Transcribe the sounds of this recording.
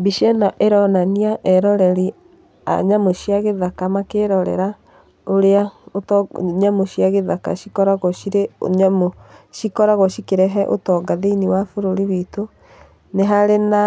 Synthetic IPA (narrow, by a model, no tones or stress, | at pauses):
biʃɛnaʔeɾɔnaniaʔɛɾɔɾɛɾi | a̰ɲamoʃiaɣeðakamakeɾɔɾɛ̰ɾa | oɾeaotɲamoʃiaɣeðaka̰ʃikɔɾaɣɔʃiɾeo̰ɲamoʃikɔɾaɣɔʃikeɾɛɦɛʔo̰tɔɡaðeiniwafoɾoɾiβito | neɦaɾena